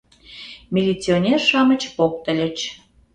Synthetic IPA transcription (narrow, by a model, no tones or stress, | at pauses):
mʲilʲit͡sionʲerʃɑmə̆t͡ɕpok̚t̪ə̆lʲə̆t͡ɕ